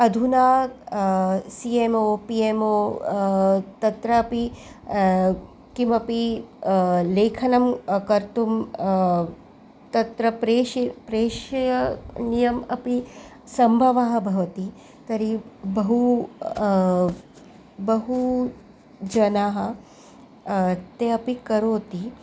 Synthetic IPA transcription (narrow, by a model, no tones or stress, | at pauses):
ɐd̪ʱunaː | siemoːpiemoː | t̪ɐt̪ɾɐːpi | kimɐpi | leːkʰɐnɐmkɐɾt̪um | t̪ɐt̪ɾɐpɾeːʃipɾeːʃɐjɐnijɐmɐpi | sɐmbʱɐʋaːɦɐ̆bʱɐʋɐt̪i | t̪ɐɾibɐɦu | bɐɦu | d͡ʒɐnaːɦɐ̆ | t̪eɐpikɐɾoːt̪i